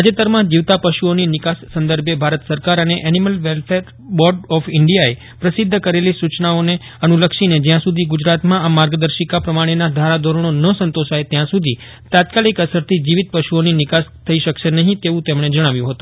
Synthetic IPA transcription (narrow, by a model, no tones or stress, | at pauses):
ad͡ʒet̪əɾmãd͡ʒiʋt̪apəʃuoninɪkasːənd̪əɾbjebʱaɾət̪səɾkaɾəneʔɛniməlʋelfʰeɾ | bɔɾɖɔfɪɳɖijae | pɾəsid̪ʱːəkəɾelisut͡ʃnaone | ənuləkʃined͡ʒjãsud̪ʱiɡud͡ʒɾat̪mãamaɾɡəd̪əɾʃikapɾəmaɽ̃enad̪ʱaɾad̪ʱoɾəɳ̃onəsə̃nt̪oʃajt̪jãsud̪ʱi | t̪at̪kalikəsəɾt̪ʰid͡ʒiʋit̪̚pəʃuoninɪkast̪ʰəiʃəkʃenəɦĩt̪eʋũt̪emɽ̃ed͡ʒəɽ̃aʋjũɦət̪ũ